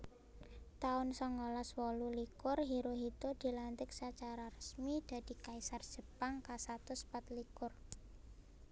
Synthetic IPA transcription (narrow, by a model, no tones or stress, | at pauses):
t̪aʊnsɔŋːolaswɔlulikʊrɦiɾoɦit̪od̪̥i̤lant̪ɪksat͡ʃaɾarəsmid̪̥a̤d̪̥i̤kaisard̥ʒ̥ə̤paŋkasat̪ʊspat̪likʊr